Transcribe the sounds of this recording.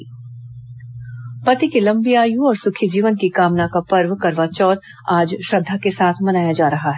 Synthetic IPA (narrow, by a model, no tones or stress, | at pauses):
pɐt̪ikilɐ̃mbijaːjũɔːɾsʊkʰid͡ʒiːʋənkikaːmnakapɐɾʋkɐɾʋat͡ʃɔːt̪ | aːd͡ʒʃɾɐd̪ʱːakesaːt̪ʰmɐnaːjad͡ʒaːɾɐɦaɦɛː